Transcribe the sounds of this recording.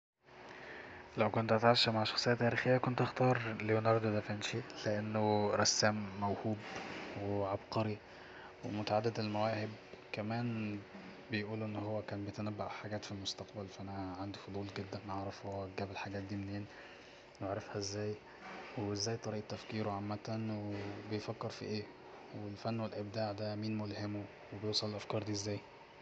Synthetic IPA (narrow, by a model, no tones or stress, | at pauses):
læwkont̪ʔæt̪ʕaʃːæmaʕʃɑxsˤejːɑt̪ːæːɾiːxejːækont̪ʔɑxt̪ɑːɾˤlejonɑɾˤd̪od̪æfænʃileʔenːoɾˤɑsːæːmːæwhuːbweʕabqɑɾi | wemot̪aʕad̪ːæd̪elmæwæːhebkæmæːn | bejʔuːluʔenːhowːækæːnbejet̪ænæbːæʔħaɡæːt̪filmost̪ɑqbælfæʔænæʕand̪ifod̪ˤuːlɡed̪ːænʔeʕɾˤɑfhowːæɡæːbelħaɡæːt̪̚d̪iːmeneːn | weʕɾˤɑfhæʔezːæːj | weezːæːjt̪ˤɑɾiːʔt̪ːæfkiːɾoʕamːæt̪ænwebejfækːeɾfḭʔeː | welfænːwelʔeb̚d̪aːʕd̪æmiːnmolhemo | webejewsˤɑlelʔæfkɑːɾˤd̪iːʔezːæːj